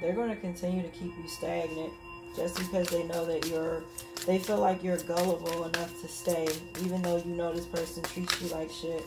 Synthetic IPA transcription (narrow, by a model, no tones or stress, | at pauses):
ðə˞ɡoʊɪ̃ŋtʰɨkɨ̃ntʰɪ̃njʉɾɨkʰipjɨstæɡ̃ŋɪt̚ | d̥ʒ̥ʌsb̥ɨkʰʌzðeɪnoʊðɨt͡ʃə˞ | ðeɪfilaɪkjə˞ɡʌlˠəvl̩ˠənʌftʰɨsteɪivɨ̃nðoʊjɨnoʊðɨspʰɜ˞sɨ̃ntʰit͡ʃɨlaɪkʃɪt̚